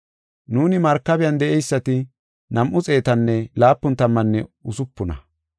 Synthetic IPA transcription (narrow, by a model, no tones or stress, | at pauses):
nuːnɪmɐɾkːɐbɪjɐnd̪ɛʔɛjsːɐt̪ɪ | nɐmʔʊt͡sʼe̞ːt̪ɐnːɛlaːpːʊnt̪ɐmːɐnːɛʊsʊpːʊnɐ̰